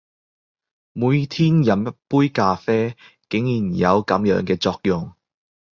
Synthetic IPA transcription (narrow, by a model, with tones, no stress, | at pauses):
muː˨˧jt̪ʰiː˥njɐ˨˩mɐ˥t̚puː˥jkaː˧fɛː˥ | kɪ˨˥ŋjiː˨˩njɐ̰˨˧wkɐ˨˥mjœ̰ː˨˧˥ŋkɛː˧t͡sɔː˧k̚jʊ˨ŋ